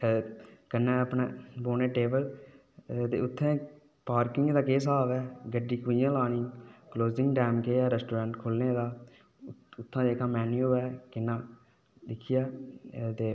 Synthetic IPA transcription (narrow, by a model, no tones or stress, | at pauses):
kənːɛ̃ːəpnḛ̃ːboːneːʈeːbəl | t̪ḛːʊt̪ʰːẽː | paːɾkɪŋɡd̪aːkeːsaːʋɛːɡəɖːiːkuɪjãːlaːɽ̃iːkloːzɪŋɡɖɛːmkeːɛːɾɛsʈoːɾãːɳʈkʰʊlneːd̪aː | ʊt̪ʰːãːd̪eːkʰãːmɛːnjuːɛːkɪnːãː | d̪ɪkʰɪjaːt̪eː